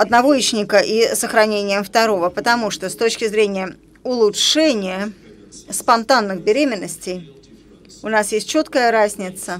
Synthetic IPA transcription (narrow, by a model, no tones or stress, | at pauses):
ɐd̪nɐvo̞it͡ɕnʲɪkəʔisəxɾɐnʲenʲɪjəmft̪ɐɾo̞vəpət̪ɐmuʂt̪ost̪o̞t͡ɕkʲɪzɾʲenʲɪjə | ʊlˠʊtʂɛnʲɪjə | spɐnt̪anːɨxbʲɪɾʲemʲɪnːəsʲtʲɪj | ʊnasjesʲt̚ʲt͡ɕo̞t̪kəjəɾazʲnʲɪt̪sə